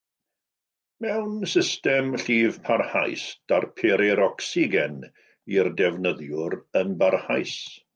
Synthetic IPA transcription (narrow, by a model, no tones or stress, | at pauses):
mɛwnsɪstɛmɬiːvpʰarha̰jsd̥arpʰɛɾɛɾɔksiɡɛn | irdɛvnəðjʊɾənbarhajs